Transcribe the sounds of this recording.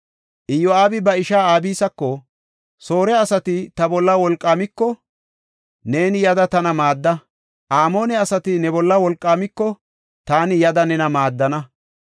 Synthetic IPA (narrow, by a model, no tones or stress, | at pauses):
ʔɪjɔaːbɪbɐɪʃaːaːbiːsɐkːɔ | soːɾɛɐsɐt̪ɪt̪ɐbɔlːɐwɔlkʼːaːmɪkːɔ | ne̞ːnɪjɐd̪ɐt̪ɐnɐmaːd̪ːɐ | ʔaːmo̞ːnɛɐsɐt̪ɪnɛbɔlːɐwɔlkʼːaːmɪkːɔ | t̪aːnɪjɐd̪ɐnɛnɐmaːd̪ːɐnɐ